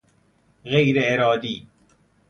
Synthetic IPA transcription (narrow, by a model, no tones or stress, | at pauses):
ɣejɾeeɾɒːd̪iː